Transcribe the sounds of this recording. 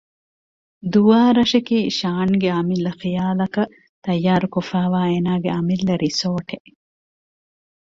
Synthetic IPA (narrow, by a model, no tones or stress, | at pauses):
d̪uʋaːɾɐʃekiːʃaːnɡeɐmilːɐxijaːlɐkɐ | t̪ɐjːaːɾukofaːʋaːeːnaːɡeɐmilːɐɾʔisoːʈeʔ